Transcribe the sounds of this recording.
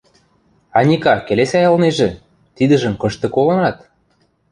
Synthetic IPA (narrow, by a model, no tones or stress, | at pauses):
ɑnʲikɑkelesʲɑjɑlneʒĕ | t̪id̪ə̆ʒə̆mkɤ̆ʃt̪ɤ̆kolɤ̆nɑt̪